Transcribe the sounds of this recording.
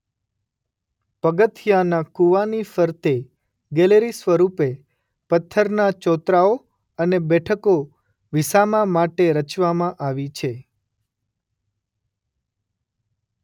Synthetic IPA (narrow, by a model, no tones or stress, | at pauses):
pəɡət̪ʰjanakuʋanifəɾt̪e | ɡeleɾisʋəɾupe | pət̪ʰːəɾnat͡ʃɔt̪ɾao | ənebɛʈʰəko | ʋisamãmaʈeɾət͡ʃʋamãʔaʋit͡ʃʰe